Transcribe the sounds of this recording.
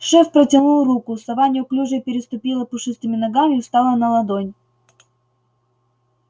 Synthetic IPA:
ʂɛfpɾətʲɪnulˠrukʊsɐvanʲɪjʊklʲuʐəpʲɪɾʲɪst̪ʊpʲilˠəpʊʂɨst̪ɨmʲɪnɐɡamʲɪst̪ɑlˠənɐlˠɐd̪onʲ

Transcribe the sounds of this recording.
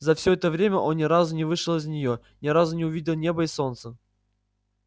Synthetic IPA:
zɐfsʲɵɛt̪əvɾʲemʲəʔo̞nnʲɪɾazʊnʲɪvɨʂɨlˠɪznʲɪjo | nʲɪɾazʊnʲɪʊvʲidʲɪlˠnʲe̞bəɪso̞nt̪sə

